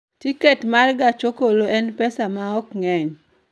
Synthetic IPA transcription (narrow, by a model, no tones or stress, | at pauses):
tiketmarɡat͡ʃokoloʔɛnpɛsamaɔkŋɛɲ